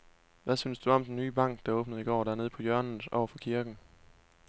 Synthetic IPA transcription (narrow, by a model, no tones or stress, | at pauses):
ʋæsynsd̥uɒ̽md̥enːyːb̥ɑ̈ŋ̰ɡ̥d̥ɑ̈oːb̥nəð̩ˠiɡ̥ɒ̰ːdæɐne̝ð̞ˠpʰɒ̽jœɐnn̩sɒ̰ʊɐfɒ̽kʰiɐɡ̥n̩